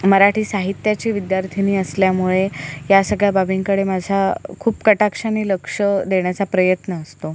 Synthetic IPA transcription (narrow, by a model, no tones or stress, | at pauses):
məɾaʈʰiːsaɦit̪jat͡ɕiːʋid̪jaɾt̪ʰiniːəsljamuɭejasəɡɭjababʱiŋkəɽemad͡zʱakʰuːpkəʈakʂaniːləkʂəd̪eɳjat͡sapɾəjət̪nəːst̪o